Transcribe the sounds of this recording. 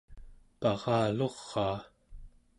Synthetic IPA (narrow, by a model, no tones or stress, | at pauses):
pɑʁɑːlo̞ʁːɑː